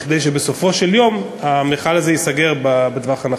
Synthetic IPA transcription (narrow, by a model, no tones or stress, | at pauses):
χd̪ejʃ̬ebesofo̞ʃeljo̞m | amiχalazejisaɡe̞ʁbabed̪vaχana